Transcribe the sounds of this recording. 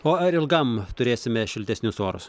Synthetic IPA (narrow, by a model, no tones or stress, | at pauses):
oːɐɾɪlˠɡɐmt̪ʊɾʲeːsʲɪmʲɛʃʲɪlʲt̪ʲɛsʲnʲʊsoːɾʊ̰s